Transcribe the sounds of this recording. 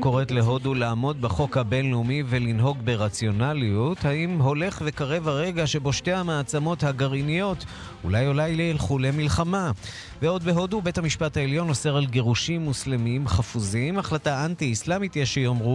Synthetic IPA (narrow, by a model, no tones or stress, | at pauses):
ko̞ʁetle̞ɦo̞dulaːmo̞d̪̚baχo̞khabe̞nleumivelinɦo̞ɡbe̞ʁat͡sjo̞naliuthaimɦo̞le̞χve̞kaʁe̞vhaʁe̞ɡaʃe̞bo̞ʃte̞jhamaːt͡samo̞thaɡaʁinijo̞t | ṵlajolajleelχule̞milχama | veo̞d̪̚be̞ɦo̞dube̞thamiʃpathaeljo̞no̞se̞ʁalɡe̞ʁuʃimːuslemimχafuzimaχlataʔantiːslamitjeʃejomʁu